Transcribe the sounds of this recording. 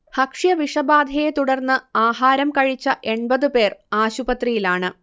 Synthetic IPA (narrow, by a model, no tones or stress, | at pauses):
hɐkʂjɐʋiʂɐbaːd̪ʱɐjet̪uɽɐrnːɨaːɦaːɾɐmkɐɻit͡ɕːɐʔe̞ɳbɐðɨpe̞ːraːɕubɐt̪rijilaːɳɨ